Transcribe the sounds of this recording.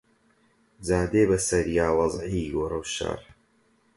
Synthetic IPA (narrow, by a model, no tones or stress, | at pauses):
d͡zaːd̪eːbɐsɐɾjaːwɑzʕiɡoːɾɐwʃa̰ɾ